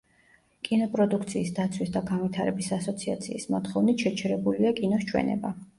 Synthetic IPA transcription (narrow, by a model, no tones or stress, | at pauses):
kʼinɔpʼɾɔd̪ukʰt̪sʰiːsd̪at̪sʰwisd̪aɡanvit̪ʰaɾɛbisasɔt̪sʰia̰t̪sʰiːsmɔt̪χɔvnit̪ʃɛt͡ʃʰɛɾɛbuliakʼinɔʃt͡ʃʰwɛ̰nɛ̰ba